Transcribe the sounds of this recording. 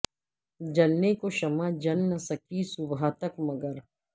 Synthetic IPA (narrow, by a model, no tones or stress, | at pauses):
d͡ʒɐlnekoʃɐmad͡ʒɐlnɐsɐkisʊbɦat̪ɐkmɐɡəɾ